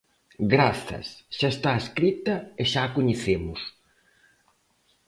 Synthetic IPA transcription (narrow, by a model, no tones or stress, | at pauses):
ɡɾaθɐ̰sʃaest̪aeskɾit̪ɐeʃaːkoɲeθemʊs